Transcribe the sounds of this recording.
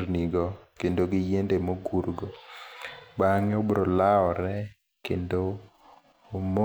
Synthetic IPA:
rniɡɔkendoɡɪjendemoɡurɡo | baŋɛobɾolaɔɾɛ | kendoː | mo

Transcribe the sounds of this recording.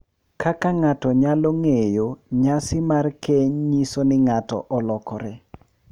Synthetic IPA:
kʰakaŋatɔɲaloŋejoɲasɪmarkeɲɲisonɪŋatɔ̰ʔɔlɔkɔɾɛ

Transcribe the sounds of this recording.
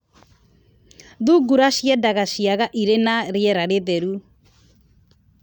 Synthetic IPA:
ðuɡuɾaʃiɛdaɣaʃiaɣaʔiɾenaɾɪɛɾaɾeðɛɾu

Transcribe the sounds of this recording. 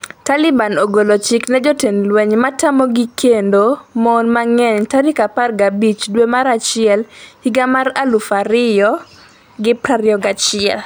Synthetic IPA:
talɪbanoɡolot͡ʃɪknɛd͡ʒotenlwɛɲmatamɔɡikendomɔnmaŋɛɲtaɾikaparɡabit͡ʃdwemaɾat͡ʃɪɛlhiɡamaɾalufaɾɪjɔ | ɡɪpɾaɾjɔɡat͡ʃɪɛl

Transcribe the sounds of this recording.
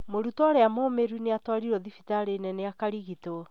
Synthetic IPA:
moɾutɔɾeamomeɾuneatwaɾiɾɔðifitaɾenɛneakaɾiɣitoɔ

